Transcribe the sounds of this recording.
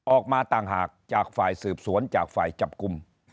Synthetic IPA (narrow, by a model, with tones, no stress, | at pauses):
ʔɔː˨˩k̚maː˧t̪aː˨˩ŋɦaː˨˩k̚t͡ɕaː˨˩k̚faː˨˩jsɯː˨˩p̚su˩˦ənt͡ɕaː˨˩k̚faː˨˩jt͡ɕa˨˩p̚ku˧m